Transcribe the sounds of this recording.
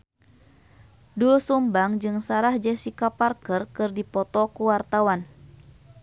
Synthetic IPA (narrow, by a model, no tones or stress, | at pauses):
duusumbaŋd͡ʒɨŋsaɾahd͡ʒɛsikaparkərkɨrdipɔt̪ɔkuwart̪awan